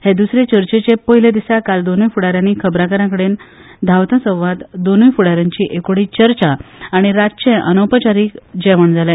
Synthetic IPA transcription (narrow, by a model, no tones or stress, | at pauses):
hed̪usɾet͡ɕəɾt͡ɕet͡ɕepəɦiled̪isakald̪onujfuɽaɾjãniːkʰəbɾakəɾãkəɽeːn | d̪ʱawt̪ãsə̃w̃ʋat̪d̪onujfuɽaɾjãɲt͡ɕiːʔekoɽiːt͡ɕəɾt͡ɕaːɽ̃iɾat͡ɕẽʔənopət͡ɕaɾiːkd͡ʑɛʋəɳd͡zʱalẽ